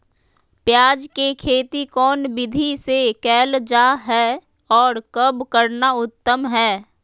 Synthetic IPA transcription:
pjaːd͡ʒkekʰeːt̪ikɔːnbɪd̪ʱisekɛːld͡ʒaːɦɛ | ɔːɾkəbkəɾnaʊt̪ːəmɦɛː

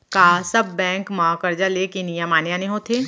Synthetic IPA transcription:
kaːsɐbːɛ̃ːŋkmãːkəɾd͡ʒalekinijamaːnjaneɦõt̪ʰeː

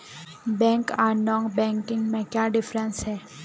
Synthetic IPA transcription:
bɛ̃ŋkanɔ̃ŋɡbɛ̃ŋkɪ̃ŋɡmẽkjaːɖɪfɾə̃nsɦɛː

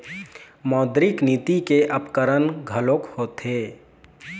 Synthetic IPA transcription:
mɔːd̪ɾɪkniːt̪ikeʔəpkəɾənɡʱəlokhot̪e

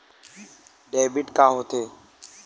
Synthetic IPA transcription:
ɗeːbɪʈkãːɦot̪ʰeː

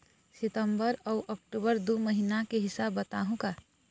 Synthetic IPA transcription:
sɪt̪əmbəɾɔʊʔək̚ʈubəɾd̪oməɦinakeɦɪsabːət̪aːɦũka

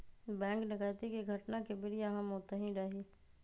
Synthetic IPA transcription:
bɛ̃ːŋknɪkəjt̪ikiɡʱɐʈnakebɪɾijɐɦãmɦoːt̪eɦĩɾaɦiː

